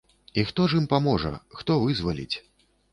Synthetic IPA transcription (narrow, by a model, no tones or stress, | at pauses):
ixt̪ɔʐimpamɔʐɐ̰xt̪ɔvɨzvalʲḭt͡sʲ